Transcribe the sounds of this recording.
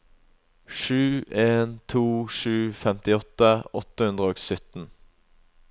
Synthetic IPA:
ʃʉːʔeːnt̪ʰuːʂʉːfɛmt̪ɪɔt̪əʔɔt̪əhʉnd̪ʁəoːɡsʏt̪n̩

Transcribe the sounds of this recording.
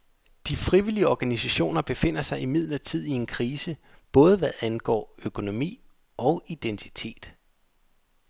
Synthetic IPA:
d̥ifʁiʋiliəɒɡ̥ænisæɕo̝̰ːnɐb̥e̝fe̝n̰ɐsɑ̈ɪʔimið̞̰ˠlɐt͡sʰið̞̰ˠie̝nkʰʁiːsəb̥ɔ̽ːð̞ˠəʋæðˠænɡ̥ɒ̰ːøkʰo̝no̝mḭː | ɒ̽ʊid̥ent͡sʰi̥t͡sʰe̝̰ːd̥

